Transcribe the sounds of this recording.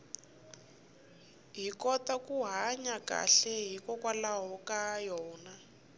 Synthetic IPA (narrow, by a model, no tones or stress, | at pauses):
ɦikɔtakuɦaɲaka̰ɬɛɦikɔkwalaɦɔkajɔːna